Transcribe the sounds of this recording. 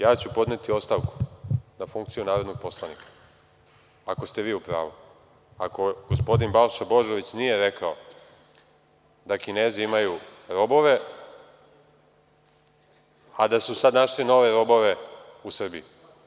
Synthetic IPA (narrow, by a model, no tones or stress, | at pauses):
jaːt͡ɕupo̞d̪ne̞t̪io̞st̪aʋku̥nafuŋkt̪sijunaːɾod̪no̞ɡ̚po̞slˠanikʰḁ | ako̞st̪e̞ʋiːupɾa̰ːʋu | a̰ko̞ɡ̥ospo̞d̪inbalʃabo̞ʒo̞ʋit͡ɕnije̞ɾekao̞ | d̪akine̞ːziimajuɾo̞bo̞ʋe̞ | ad̪asusad̪naʃlino̞ʋeɾo̞bo̞ʋe̞usr̩biju